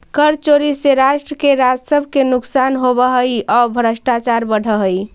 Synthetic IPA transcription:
kəɾt͡ʃoɾiseɾaʃʈɾəkeɾad͡ʒsəbʱkenuksanɦobəɦəjɔbʱəɾəsʈat͡ʃaɾbəɽ̤ʱəɦəj

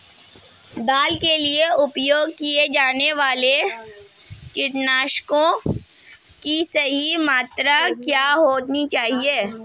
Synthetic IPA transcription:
d̪aːlkelieʊpjoːɡ̚kied͡ʒaːneʋaːle | kɪʈnaːʃkõ | kisɐɦimaːt̪ɾakjaːɦoːt̪nit͡ʃaːɦieː

